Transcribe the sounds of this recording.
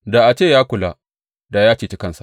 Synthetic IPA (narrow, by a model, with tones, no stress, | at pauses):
da˨ʔa˨t͡ʃeː˦˨jaː˦kʷʊ˨la˦ | da˨jaː˦t͡ʃiː˨t͡ʃi˦kɐ˦nsa˨ʔ